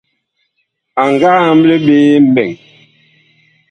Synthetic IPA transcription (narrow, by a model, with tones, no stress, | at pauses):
a˨ŋɡa˦m˦le˦ɓeː˦m̩˦bɛ˨ŋ